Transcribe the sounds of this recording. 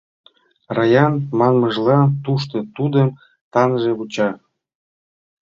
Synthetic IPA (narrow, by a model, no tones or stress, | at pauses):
rɑjɑnmɑnməʒlɑt̪uʃt̪ɤ̆t̪ud̪əm | t̪ɑnʒeβut͡ɕɑ